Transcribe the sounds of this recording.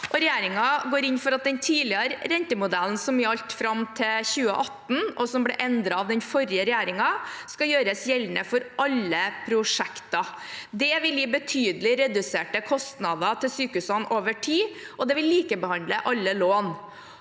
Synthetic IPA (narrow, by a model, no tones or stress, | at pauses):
ʔɔɾɛjæːɾɪŋɑɡoːɾɪnfɔɾɑt̪̚d̪ɛnt̪ʰiːlɪəɾɾɛnt̪əmʊd̪æln̩sɔmjɑʎt̪fɾɑmt̪ʰɪçʉːə̰ʔɑt̪n̩ʔɔsɔmblɛ̰ʔɛnd̪ɾɑɑʋd̪ɛnfɔɾjəɾɛjæːɾɪŋɑskɑjøːɾəsjɛlːnəfɔɾʔɑlːəpʰɾʊʂɛkt̪ɑ | d̪ɛʋɪljɪbət̪ʰyːd̪əlɪɾɛd̪ʉseːʈəkʰɔst̪nɑd̪ət̪ʰɪlsyːkʉsɔnoːʋəʈʰiːʔɔd̪ɛʋɪlːiːkəbəhɑnd̪ləʔɑlːəloːn